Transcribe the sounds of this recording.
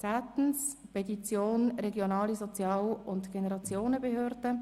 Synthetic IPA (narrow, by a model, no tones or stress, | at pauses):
t͡saːt̪n̩spɛtit͡sjoːnɾɛɡjonɑːlizɔt͡sjɑːwʊntɡ̥enɛɾɑt͡sjoːnəbehøːɾd̥ə